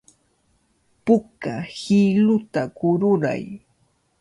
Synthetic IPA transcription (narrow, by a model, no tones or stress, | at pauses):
pʊkahɪlʊt̪akʊɾʊɾa̰j